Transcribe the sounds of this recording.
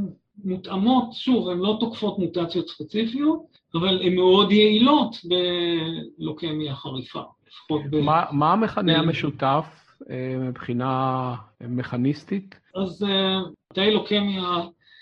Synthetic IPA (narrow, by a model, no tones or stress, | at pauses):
mutamo̞tʃuvemlo̞tokfo̞tmutat͡sjo̞tspet͡sifijot | avalemːeo̞djeilo̞tbe̞ | lokemjaχaʁifa̰lifḁχo̞tbemamaameχaneameʃutaf | mibχina | meχanistit | az | atajlokemja